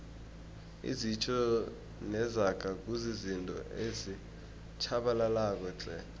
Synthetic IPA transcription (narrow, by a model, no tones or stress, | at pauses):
ḭzit͡ʃʰʼɔ | nɛzaɡ̥ʱak̬ʼuzizintʼɔ̰ʔezi | t͡ʃʰaɓalalak̬ɔǁʼɛ̰